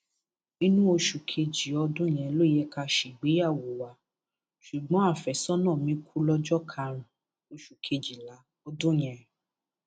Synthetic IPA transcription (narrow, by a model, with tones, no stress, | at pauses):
ĩ˦nũ˦o˧ʃu˨kʰe˧d͡ʒi˨ɔ˧dõ˦j̃ɛ̃˨lo˦˨jɛ˧˦ka˧ʃi˨ɡ͡be˨˦a˦˨wo˨wa˨˧ | ʃu˨ɡ͡bɔ̃˨˦a˦˨fɛ˨sɔ˦nɔ̃˦˨mĩ˨˦kʰu˦lɔ˧d͡ʒɔ˦kʰa˧ɾ̃ũ˨ | o˧ʃu˨kʰe˧d͡ʒi˨la˨˦ | ɔ˧˦dõ˦j̃ɛ̃˨˧